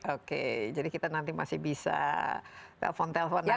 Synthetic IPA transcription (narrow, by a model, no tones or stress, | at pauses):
okḛd͡ʒadikit̪anant̪ima̰sɪhbisa̰ | t̪ɛ̰lfɔnt̪ɛlfɔna